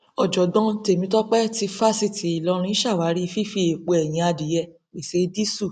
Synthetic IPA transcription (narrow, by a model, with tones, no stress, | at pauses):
ɔ˨d͡ʒɔ˨dɔ̃˧˦te˨mĩ˧˦tɔ˦k͡pɛ˦ti˧fa˦si˦˧˨tʰi˨˦i˨lɔ̃˨˧˦ɾ̃ĩ˦ʃa˦˨wa˨˦ɾi˦˧fi˦fi˧˦e˨k͡po˧ɛ˨j̃ĩ˨˧˦a˧di˨jɛ˧ | k͡pe˨se˨˦di˦su˦˨